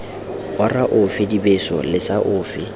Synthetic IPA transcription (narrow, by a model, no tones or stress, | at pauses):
ʊraʔʊfɪdibesɔ̰lɪsaʔʊːfɪ